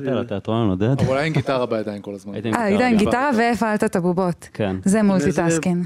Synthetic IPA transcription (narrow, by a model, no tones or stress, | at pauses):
talat̪eat̪ʁalnod̪ad̪ulajenɡit̪aʁabajad̪ajinkolazmanaid̪aimɡiaʁaveefalt̪atabubotkenzemult̪it̪askin